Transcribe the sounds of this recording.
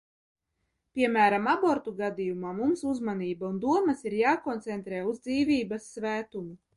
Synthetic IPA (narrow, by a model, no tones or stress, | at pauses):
pʲiɛmæːɾamaboɾt̪uɡad̪ijumaːmumsuzmaniːbaund̪uɔmɐsiɾjaːkɔnt̪sɛnt̪ɾɛːuzd̪ziːvʲiːbasːvæːt̪umu